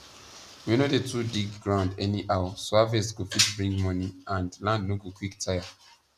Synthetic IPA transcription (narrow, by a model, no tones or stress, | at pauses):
winodetʰudikɡɹãʊ̃ndɛniʔawasavɛsɡofitbɹĩŋɡmɔniãndlãndnoɡokwiktʰaja